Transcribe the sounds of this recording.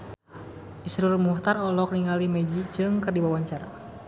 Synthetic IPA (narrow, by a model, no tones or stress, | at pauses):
ʔisɾʊrmuht̪arɔlɔk̚niŋalimɛd͡ʒit͡ʃɨŋkɨrdibawaɲt͡ʃaɾa